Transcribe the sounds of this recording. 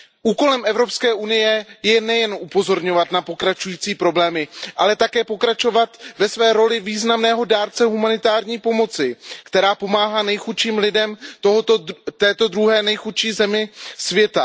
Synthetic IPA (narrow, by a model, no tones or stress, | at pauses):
ʔuːko̞lɛmʔɛvɾo̞pskɛːʔunɪjɛjɛnɛjɛnʔupo̞zo̞ɾɲo̞vat̪napo̞kɾat͡ʃujiːt͡siːpɾo̞blɛːmɪʔalɛt̪akɛːpo̞kɾat͡ʃo̞vat̪vɛsvɛːɾo̞lɪviːznamnɛːɦo̞daːɾt͡sɛɦumanɪt̪aːɾɲiːpo̞mo̞t͡sɪkt̪ɛɾaːpo̞maːɦaːnɛjxut̪ʃiːmlɪdɛmt̪oɦot̪ot̪ɛːt̪o̞d̪ɾuɦɛːnɛjxut̪ʃiːzɛmɪsvjɛt̪a